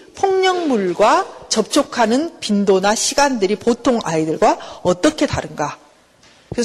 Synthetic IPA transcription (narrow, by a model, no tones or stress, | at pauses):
pʰoŋɲʌŋmuɭɡwat͡ɕʌp̚t͡ɕ͈ʰokʰanɯnpindonaɕʰiɡandɯɾipotʰoŋa̰idɯɭɡwaʌt͈ʌkʰe̞taɾɯnɡa | kɯɾe